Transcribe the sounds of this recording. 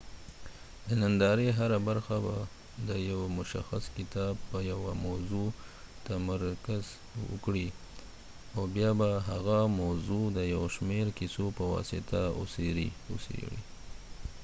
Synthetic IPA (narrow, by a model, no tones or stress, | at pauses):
d̪ənand̪ɑɾeɦaɾabaɾxaba | d̪əjawmʊʃa̰xaskɪt̪ɑbpəjawamawzut̪amaɾkaz | wə̰kɽi | awbjɑbaɦaɣamawzud̪əjawʃmeɾkisopəwɑ̰sɪt̪ao̰seɾḭʊ̰sḛɽḭ